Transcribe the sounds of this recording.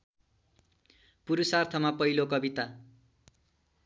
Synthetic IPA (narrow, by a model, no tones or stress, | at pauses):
puɾusart̪ʰʌmapʌɦilokʌbit̪a